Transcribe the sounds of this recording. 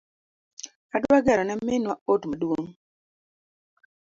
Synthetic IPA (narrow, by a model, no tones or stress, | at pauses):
adwaɡɛɾɔnamenwaotmadwoŋ